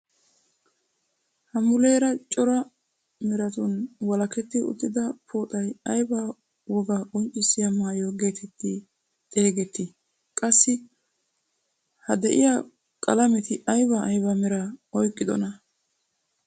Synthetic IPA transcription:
hɐmʊle̞ːɾɐt͡ʃʼɔɾɐ | mɛɾɐt̪ʊnwɐlɐkɛt̪ːɪʊ̰t̪ʼːɪd̪ɐpʰoːt̪ʼɐjɐjba | wɔɡɐkʼɔnt͡ʃʼɪsːɪjɐmaːjoɡe̞ːt̪ʰɛt̪ːɪ | t̪ʼeːɡɛt̪ːɪ | kʼɐsːɪ | hɐd̪ɛʔɪja | kʼɐlɐmɛt̪ɪʔɐjbɐːjbɐmɛɾɐɔjkʼːɪd̪ɔ̰nɐ

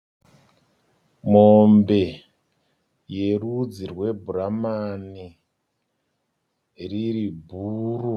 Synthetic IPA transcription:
mombe̞ | je̞rud͡zirwe̞bʱuramani | riɾibʱuːru

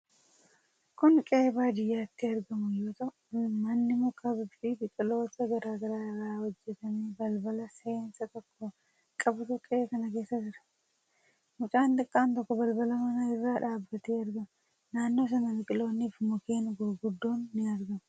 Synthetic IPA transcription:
kʊnkʼe̞ːbaːd͡ʒ̪ɪjːaːt̪ːɪɐɾɡɐmʊjo̞ːt̪ɐ | mɐnːɪmʊkʼɐbɪbibɪkʼɪlo̞ːt̪ɐɡɐɾaːɡɐɾaːɪrːaːhɔd͡ʒːɛt̪ɐmeːbɐlbɐlɐse̞ːnsɐt̪ɔkːɔ | kʼɐbʊt̪ʊkʼeːkɐnɐke̞ːsːɐd͡ʒɪɾɐ̥ | mʊt͡ʃʼaːnt̪ɐkʼːaːnt̪ɔkːɔbɐlbɐlɐmɐnɐɪrːaːᶑaːbːɐt̪eːɐɾɡɐm | naːnːo̞ːs̬ɐnɐbɪkʼɪlo̞ːnːiːfmʊkeːnɡʊɡʊd̪ːoːnːɪɐɾɡɐmʊ

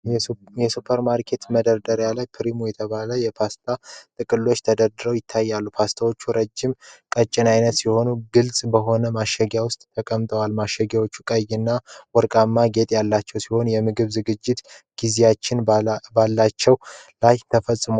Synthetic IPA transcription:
jɛsupʰəɾmaɾkʰe̞t̪məd̪əɾd̪əɾjalajpʰɨɾimujɛt̪ʰəβaləjɛpʰast̪ʰat̪ʼɨkʼɨlːo̞t͡ʃːt̪ʰəd̪əɾd̪ɨɾəwjɪt̪ʰːajːalːupʰast̪ʰawo̞t͡ʃːuɾəd͡ʒːɪmkʼət͡ʃʼːɪnajnət̪siho̞nuɡɨlsʼbəɦo̞nəmaʃɛɡjawʊst̪ʼʰəkʼəmt̪ʼəwalmaʃɛɡjawot͡ʃːukʼəjɨnːawɔɾkʼamːaɡe̞t̪ʼjalːat͡ʃːɛwsiho̞njɛmɨɡɨβzɨɡɨd͡ʒːɪt̪ | ɡ̥izijat͡ʃːɪnbalːat͡ʃːɛwlajt̪ʰəfəsʼːɨmo

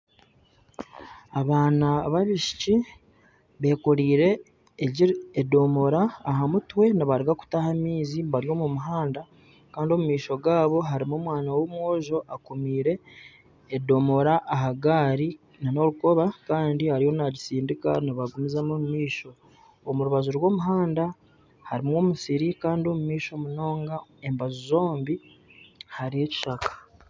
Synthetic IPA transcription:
aβaːnaβaβiʃi̥ci | βe̞ːkoɾiːɾe̞ː | ɟiɾːdo̞mo̞ɾaːɦamutwe̞naβaɾiɡaku̥tahamiːziβaɾjo̞mumuɦaːnda | kaːndio̞mumiːʃo̞ɡaːβo̞ɦaɾimoːmwaːnawomwo̞ːʒo̞ʔakomiːɾe̞ː | do̞mo̞ɾaʔːɦaɡaːɾi | nano̞ɾuko̞βakaːndihaɾiho̞naɟisiːndika̰naβaɡumizamomumiːʃo̞ | omuɾuβazuɾwo̞ːmuɦaːnda | haɾimwomusiɾikaːndio̞mumiːʃo̞muno̞ːŋɡaembazuzo̞ːmbi | haɾie̞ci̥ʃakḁ

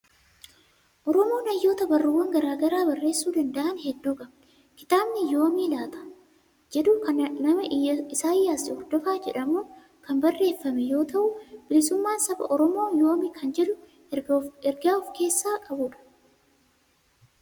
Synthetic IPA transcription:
ʔɔɾɔmo̞ːnɐjːo̞ːt̪ɐbɐrːuːwɐŋɡɐɾaːɡɐɾaːbɐrːe̞ːsːuːd̪ɐnd̪ɐʔɐnhɛd̪ːuːkʼɐbɐ | kɪt̪aːbnɪjoːmiːlaːt̪ɐ̥ | d͡ʒɛd̪ʊkɐnɐmɐʔɪɐɪsaːjːaːsɪhɔɾd̪ɔfaːd͡ʒɛᶑɐmoː | kɐmbɐrːe̞ːfːɐmɛjo̞ːt̪ɐʔʊb̥ɪlɪsʊmːaːnsɐbɐ̰ʔɔɾɔmo̞ːjoːmɪkʰɐnd͡ʒɛᶑʊ | ɛɾɡaːɔfke̞ːsːaːkʼɐbʊːᶑɐ̥

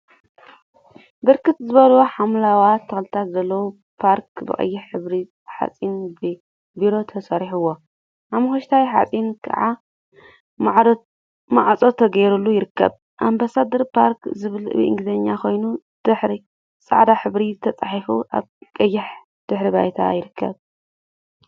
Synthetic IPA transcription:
bɨɾkʰɨt̪zɨβɐloħamlawat̪ʰɐxlɨt̪ʰat̪zɐlːɐwu | pʰaɾkbɨ̰kʼɐ̰jːɪħħɨβɾi | ħa̰t͡sʼinb | biɾo̞t̪ʰɐsɐɾiħɨwːo̞ | ʔamɐxoʃt̪ʰajħa̰t͡sʼinkʰɐ̰ʕa | maʕt͡sʼot̪ʰɐɡɐjɾulːujɪɾɨkːɐ̰β | ʔambasad̪ɐɾpʰaɾkzɨβɨlɨ̰βḭʔɨ̰ŋɡɨzɐɲːakʰo̞jnu | d̪̥ɨħɾi | sʼa̰ʕd̪aħɨβɾizɨt̪ʰɐt͡sʼaħifuʔa̰βkʼɐjːɪħ | d̪̥ɨħɾiba̰jt̪ʰa̰jɪɾɨkʰːɐ̰β

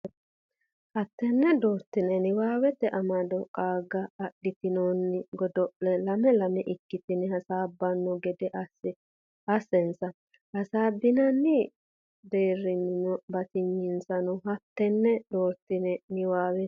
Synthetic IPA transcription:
hɐt̪ːɛnːɛd̪oːɾt̪ːɪnɛnɪwaːwɛt̪ːɛʔɐmɐd̪ɔkʼaːɡɐːɗːɪt̪ɪnoːnːɪɡɔd̪ɔʔlɛlɐmɛlɐmɛʔɪkːɪt̪ɪnɛhɐsaːbːɐnːɔɡɛd̪ɛʔɐsɪ | ɐsːɛnsɐ | hɐsaːbːɪnɐnːɪ | d̪eːrːɪnnɔbɐt̪ɪɲːɪnsɐnɔɦɐt̪ːɛnːɛd̪̥oːɾt̪ːɪnɛnɪwaːwɛ

